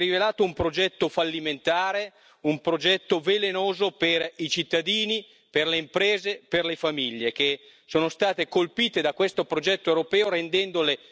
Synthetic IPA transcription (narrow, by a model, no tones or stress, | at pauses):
rivelaːt̪oumpɾod͡ʒɛt̪ːofalːiment̪aːɾe | umpɾod͡ʒɛt̪ːovelenoːzoperit͡ʃit̪ːad̪iːni | perleimpɾɛːzeperlefamiʎːek̟e | soːnost̪aːt̪ekolpiːt̪ed̪akːwest̪opɾod͡ʒɛt̪ːoewɾopɛːoɾend̪ɛnd̪ole